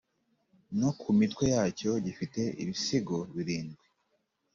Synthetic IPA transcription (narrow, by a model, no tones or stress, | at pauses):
no̞kʰumitwe̞jaːco̞ɟifite̞ḭβisiɡoβiɾiːnɡwe